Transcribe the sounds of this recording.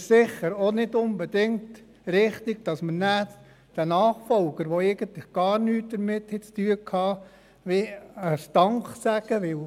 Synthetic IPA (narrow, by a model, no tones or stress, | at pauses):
sɪχːəɾonɪdʊnbɛd̥ɪŋkt | ɾɪχtɪɡ̥d̥ɑsmənæː | d̥ænɑːχfɔlɡəɾʋoæɪɡ̥ənt̪lɪχɡ̥ɑːɾnyːt̚d̥əɾmɪthɛt͡styːəkʰhɑː | ʋiəst̪ɑŋχsæɡ̥əʋɪl